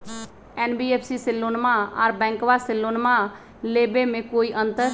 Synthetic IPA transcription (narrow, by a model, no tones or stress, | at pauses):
ɛːnbiːeːpʰsiːsɪlːoːnmaaɾbɛ̃ːŋkʋasɪlːoːnma | leːbemẽkoːiʔə̃nt̪əɾ